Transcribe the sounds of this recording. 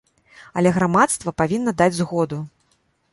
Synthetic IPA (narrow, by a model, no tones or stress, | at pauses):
ɐlʲɛɣɾamat̪st̪vɐpavʲinːɐd̪ad͡zʲzɣɔd̪u